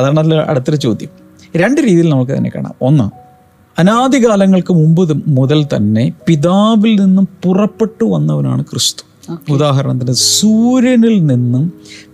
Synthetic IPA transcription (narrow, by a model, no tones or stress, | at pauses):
ɐðaːɳɐt̪ːilɐ̰ɽɐt̪ːɐlɐt͡ɕo̞ːd̪jɐm | ɾe̞ɳɖɨɾiːðijilnɐmukːɨt̪ɐ̰nːe̞kːa̰ːɳa̰ːmo̞nːɨ | ɐnaːd̪iɣaːlɐŋːɐɭkɨmumbɨðɨmuðɐlt̪ɐ̰nːe̞piðaːʋilninːumpurɐpːe̞ʈːuʋɐnːɐʋɐna̰ːɳɨkʰrist̪u̥ | oud̪aːɦɐɾɐɳɐt̪ɐnːesuːɾjɐnilninːum